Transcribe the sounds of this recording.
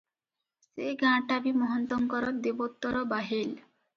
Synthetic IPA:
seɡãʈabimɔɦɔnt̪ɔŋkɔɾɔɾd̪ebot̪ːɔɾɔbaɦil

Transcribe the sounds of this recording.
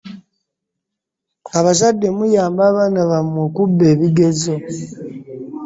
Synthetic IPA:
aβas̬adːe̞mujaːmbaːβaːnaβamokubːe̞ːβiɡe̞zo

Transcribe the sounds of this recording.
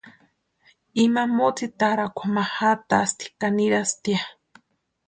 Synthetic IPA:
imamot͡sit̪aɾakʷʰamahat̪ast̪ʰi̥kaniɾast̪ia

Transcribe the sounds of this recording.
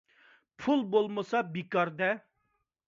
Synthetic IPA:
pʰulˠbolˠməsɑbikɑɾd̪ɛ

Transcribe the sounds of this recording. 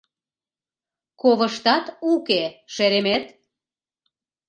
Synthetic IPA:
koβəʃt̪ɑt̪ukeʃeɾemet̪

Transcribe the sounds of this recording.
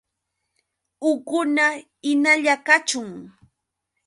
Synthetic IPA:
ʊkʊna | ɪnaʎakat͡ʃʊŋ

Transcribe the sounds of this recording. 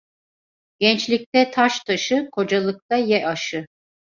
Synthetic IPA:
ɟ̥ɛnt͡ʃlʲic̚t̪ɛt̪ʰaʃt̪ʰaʃɯkʰo̞d͡ʒalˠɯk̚t̪ajɛʔaʃɯ

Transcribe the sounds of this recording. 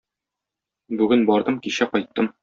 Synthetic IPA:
bʉɡɘnbɒɾd̪ɤmkiɕæqɒjt̪ʰːɤm

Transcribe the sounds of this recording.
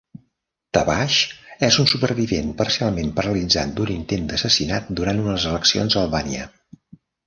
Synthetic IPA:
t̪əβaʃɛzunsupərβiβenpərsialˠmempəɾəlid͡za̰t̪̚d̪unint̪end̪əsəsinat̪̚d̪uɾant̪unəzələksio̰nzəlˠβaniə̰

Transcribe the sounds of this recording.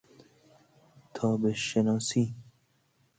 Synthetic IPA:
t̪ʰɒːbeʃenɒːsi

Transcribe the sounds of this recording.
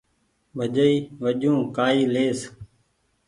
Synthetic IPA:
bʱəʄəiːʋəʄũːkaːiːleːs

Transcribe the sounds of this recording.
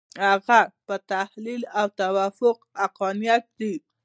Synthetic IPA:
haɣapət̪ahlilawt̪awafʊqaqɑnijat̪̚d̪i

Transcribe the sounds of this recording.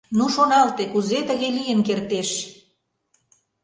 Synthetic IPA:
nuʃonɑlt̪ekuzet̪əɣelijənkert̪eʃ

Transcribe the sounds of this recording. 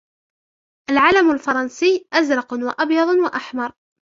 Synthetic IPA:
ʔalʕaːlamalfɑɾˤɑnsɪːʔazɾˤɑqwaʔɑbjɑðˤwaʔaħmɑɾˤ

